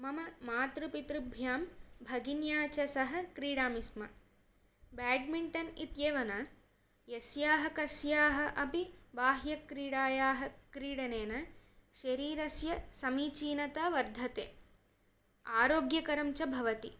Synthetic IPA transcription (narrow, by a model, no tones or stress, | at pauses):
mɐmɐmaːt̪ɾupit̪ɾubʱjaːmbʱɐɡinjaːt͡ʃɐsɐɦɐ̆kɾiːɽaːmismɐ̰ | baːɖ̚miɳʈɐnit̪jeːʋɐnɐ | jɐsjaːɦɐkɐsjaːɦɐ̆ʔɐpiʋaːɦjɐkɾiːɽaːjaːɦɐkɾiːɽɐneːnɐʃɐɾiːɾɐsjɐsɐmiːt͡ʃiːnɐt̪ɐʋɐɾd̪ʱɐt̪eː | aːɾoːɡjɐkɐɾɐmt͡ʃɐbʱɐʋɐt̪i